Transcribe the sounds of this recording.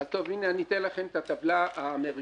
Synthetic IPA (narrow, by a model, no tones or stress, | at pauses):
alt̪ovineanit̪enlaχemt̪at̪avlaaːmeʁi